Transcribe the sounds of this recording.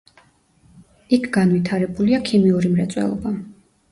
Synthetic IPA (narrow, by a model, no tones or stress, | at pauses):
ikʰɡ̥anvit̪ʰaɾɛbuliakʰimiuɾimɾɛt̪sʼwɛ̰lˠɔ̰ba